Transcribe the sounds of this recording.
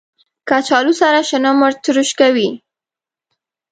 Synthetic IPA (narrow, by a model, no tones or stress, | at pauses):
kat͡ʃɑlusaɾaʃənəmʊɾt̪ɾuʃkawi